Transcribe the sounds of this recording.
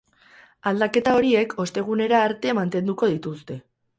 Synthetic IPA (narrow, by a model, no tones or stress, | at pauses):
ald̪ake̞t̪ao̞ɾie̞kʰo̞st̪e̞ɣ̞une̞ɾaːɾt̪e̞mant̪e̞nd̪uko̞ð̞it̪ust̪e̞